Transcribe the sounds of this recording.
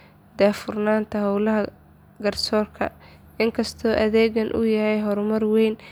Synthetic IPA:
d̪aːfʊrnaːnt̪ʰɐɦɔwlɐɦɐ | ɡɐrsɔːrkʰɐ̰ | ɪŋkʰɐst̪ʰɔːʔɐðɛːɣɐnʔʊ̰jɐhɛjɦɔɾmɐrwɛjn

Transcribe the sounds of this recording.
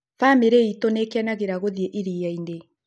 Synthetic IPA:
fameɾeitonekeanaɣeɾaɣoðieʔiɾijaine

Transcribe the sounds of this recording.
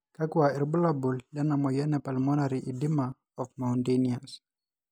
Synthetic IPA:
kakuaɛɾbulabuldanamɔjanɛpalmɔnaɾiʔidima | ɔfmawntenias

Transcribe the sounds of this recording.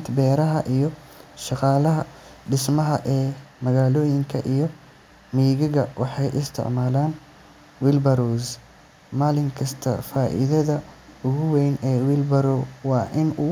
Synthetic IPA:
t̪ʰbɛːɾɐɦɐʔijɞ | ʃɑqɑːlɐɦɐ | ɖɪsmɐɦɐ̰ʔɛːmɐɣaːlɔːjɪŋkʰɐ̰ʔijɞ | miːɣɐɣɐwɑħɑjʔɪst̪ʰɪ̰ʕmaːlaːn | wɪlbɐɾus | maːlɪŋkʰɐst̪ʰɐ̰faːʔɪ̰ðɐðɐʊɣʊwɛjnɛːwɪlbɐɾɔwɑːʔɪnʊ

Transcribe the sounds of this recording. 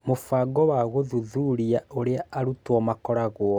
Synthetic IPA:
mofaːɡɔwaɣoðuðuɾiaoɾeaaɾutwɔmakɔɾaɣwɔ

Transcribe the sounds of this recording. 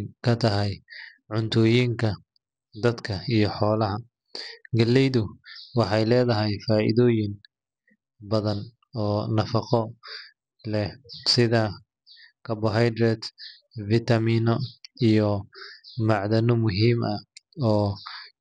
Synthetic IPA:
kʰɐt̪ʰɐɦɛj | ʕʊnt̪ʰʊːjiŋkʰɐ | d̪ɐd̪kʰɐijɞħɔːlɐɦɐ | ɡɐlːɛjðʊwɑħɑjlɛːðɐɦɛjfaːʔḭðɔːjɪn | bɐðɐn | ɔːnɐfɑqɔ | lɛsɪðɐ | kʰɐbɔɦɛjd̪ɾɛd̪ | vit̪ɐmiːnɔijɔ | mɑʕðɐnɔmʊɦiːmʔɐɔː

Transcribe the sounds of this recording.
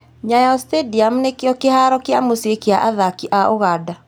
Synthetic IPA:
ɲajɔstediam̩nekeɔkehaɾɔkeamosiekeaʔaðakiʔaʔoɣaːda

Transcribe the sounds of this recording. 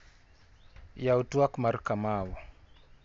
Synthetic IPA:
jautuakmaɾkamawɔ

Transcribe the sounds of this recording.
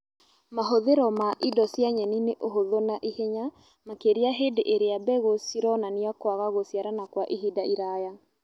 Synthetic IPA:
maɦoðeɾɔmaʔidɔsjaɲɛnineʔoɦoðonaʔiheɲa | makeɾiaɦedeʔeɾeabɛɣosiɾɔnaniakwaɣaɣosjaɾanakwaʔiɦidaʔiɾaja

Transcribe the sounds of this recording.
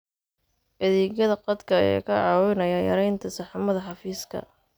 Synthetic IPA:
ʔɛðiːɣɐðɐqɑd̪kʰɐɛ̰ːkʰɐʕɑːwɪnɐjɐjɐ̰ɾɛjnt̪ʰɐsɑħɑmɐðɐħɑfiːskʰɐ̰

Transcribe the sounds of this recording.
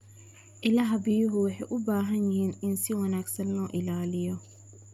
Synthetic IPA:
ʔɪlɐɦɐbɪjʊɦʊwɑħɛjʔʊbaːɦɐnjɪhiːnɪnsɪwɐnaːɡsɐnlɔːʔɪlaːlɪjɔ

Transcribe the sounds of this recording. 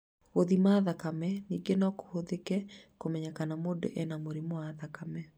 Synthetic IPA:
oðimaðakamɛniːɡenɔko̥hoðekɛkomɛɲakanamodo̰ʔɛnamoɾimowaðakamɛ

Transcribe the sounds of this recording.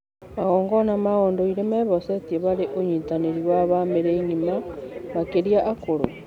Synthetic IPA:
maɣoːŋɡonamaɣondoiɾemeβosetieβaɾeʔoɲitaneɾiwaβameɾeiɲimaβakeɾiaʔakoɾo̰

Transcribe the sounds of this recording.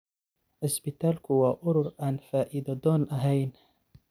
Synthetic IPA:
ʔɪsbɪt̪ʰaːlkʰʊwaːʔʊɾʊɾʔaːnfaːʔɪd̪ɐd̪ɔːnʔɐɦɛjn

